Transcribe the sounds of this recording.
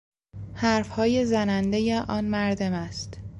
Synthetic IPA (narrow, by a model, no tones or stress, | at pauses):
hæɾfhɒːjezænænd̪e̞jeʔɒːnmæɾd̪o̞mæst̪